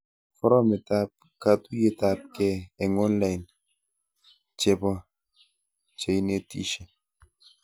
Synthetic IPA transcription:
fɔ˦ɾɔ˦me˨ta˦p̚ | ka˨tu˦je˨ta˦p̚kɛː˦˨ŋɔ˦nla˦jn | t͡ʃe˨bɔ˦ | t͡ʃe˨i˦ne˦tḭ˦ʃe˨

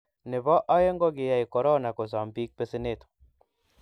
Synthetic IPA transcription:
nɪ˨bɔ˦ʔɔ˦je˦ŋɡɔ˦ɡɪ˨ja˨i˨kɔ˨ɾɔ˦na˨ko˨s̬a˨mbi˦k̚pe˦se˦ne˦˨t̪o̥˨

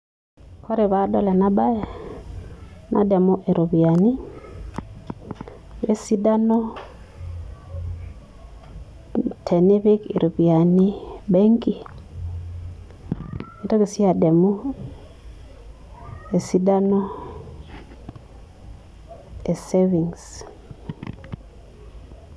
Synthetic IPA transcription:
kɔ˦ɾe˨βa˨dɔ˦lɛ˨na˦ba˦jɛ˨ | nʔa̰˨dɛ˨mu˦ʔe˨ɾo˨βi˨a˨ni˦ | je˦si˦da˦nɔ˦ | tʰɛ˨ne˦βe˦kḭ˨ɾo˨βi˨a˨ni˦bɛ˦ŋki˦ | i˨˦to˦ke˨si˦a˨dɛ˨mu˦ | e˨si˦da˦nɔ˦ | e˨se˦vi˨ŋs

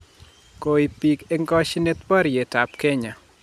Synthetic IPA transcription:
ko˨i˨pi˨ke˦ŋɡɔ˦ʃnɪ˦t̪wɔ˦ɾje˨ta˨pkɛ˦ɲa˨

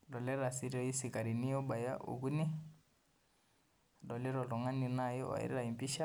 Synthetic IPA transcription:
lɔ˨lɛ˦ɾa˨si˦ɾɔ˦i˦si˨ka˨ɾi˨ni˦ɔ˦ba˨ja˦ʔṵ˨ɡu˦ni˦˨ | dɔ˨lɛ˦ɾɔ˨lɔ˨ŋa˦ni˨na˦˨jɔ˦ɔ̰˨ḭ˨ɾi˦ɾa˨i˨mpi˦ʃa˦

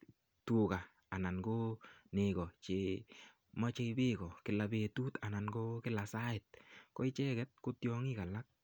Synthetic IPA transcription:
tu˨kaː˨ | na˨nko˦nɪ˨ɡɔ˨t͡ʃɪ | ma˦t͡ʃe˦i˦bɪ˦kɔ˨kɪ˨la˨be˨tu˦t̪a˨na˨nko˦kɪ˦la˨sa˦ɪ˨t̪̚kɔ˦ɪ˦t͡ʃɛ˦ɡɛ˦t̪̚ko˦tjɔ˦ŋɪ˦ka˨la˦k̚

